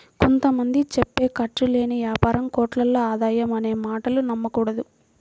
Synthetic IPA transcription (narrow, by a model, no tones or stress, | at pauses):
kont̪ɐmɐnd̪it͡ʃepːeːkɐʈːule̞ːniʋjaːpaːɾɐmkoːʈlɐlːoːaːd̪aːjɐmɐne̞ːmaːʈɐlunɐmːɐkuːɽɐd̪u